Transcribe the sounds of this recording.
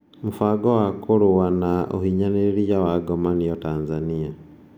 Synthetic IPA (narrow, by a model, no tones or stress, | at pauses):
mufaːɡɔwakoɾuwanaʔo̰hiɲaneeɾijawaɡɔmanijɔtaːnzania